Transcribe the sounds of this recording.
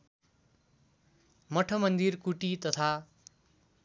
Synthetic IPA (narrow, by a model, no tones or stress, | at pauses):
mʌʈʰʌmʌnd̪irkuʈit̪ʌt̪ʰa